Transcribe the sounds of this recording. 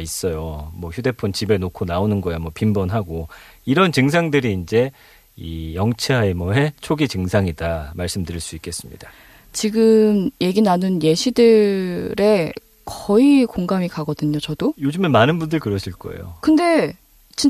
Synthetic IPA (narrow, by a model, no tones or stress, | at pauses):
is͈ʌjomwʌçjude̞pʰont͡ɕibe̞nokʰonaonɯnɡʌjamwʌpimbʌnɦaɡoiɾʌnt͡ɕɯŋs̬ʰaŋdɯɾiːnd͡ʑe̞ | ijʌŋt͡ɕʰeɦaemʌɦe̞t͡ɕʰoɡit͡ɕɯŋsʰaŋidamaɭs͈ɯmdɯɾiɭs͈uik͈e̞s͈ɯmɲḭd̥a | t͡ɕiɡɯmje̞ɡinanɯnje̞ɕʰidɯɾe̞ | kʌikoŋɡamikaɡʌdɯɲot͡ɕʌdojod͡ʑumenmanɯnbundɯɭkɯɾʌɕʰiɭk͈ʌ̰ḛjo̰kɯnde̞ | t͡ɕi